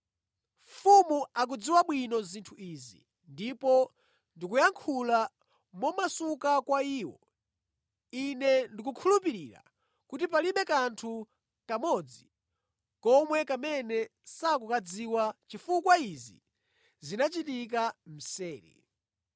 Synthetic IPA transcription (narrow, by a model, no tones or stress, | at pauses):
fumuak̬ud͡ziwaɓwinɔzintʰuiːzḭ | ndipɔ | ndikujaŋkʰula | mɔmasukakwaiːwɔ̰ | inɛndik̬ukʰulupiɾiːɾa̰ | kutipaliɓɛkantʰu | kamɔd͡zi | kɔmwɛkamɛnɛsakukad͡ziwat͡ʃifukwaizḭ | zinat͡ʃitik̬am̩sɛːɾḭ